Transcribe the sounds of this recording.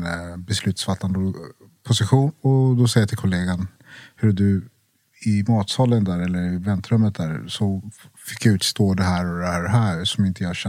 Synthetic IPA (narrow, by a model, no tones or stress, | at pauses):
bɛslʉ̟ːt̪sfat̪ʰːand̪ə | pʰʊsɪɧuːnɔd̪ɔsɛjːat̪ʰɪlkʰʊleːɡan | hɵɖɵ | ɪmɑːt̪sɔːlːənd̪æːɾɛlːəɾɪvɛnt̪ɾɵmːət̪̚d̪æːɾsɔfɪkːjaʉ̟ːt̪st̪oːd̪ɛɦæːɾɔd̪ɛhæːɾɛɦæːɾsɔmɪnt̪əjɑhaɕɛ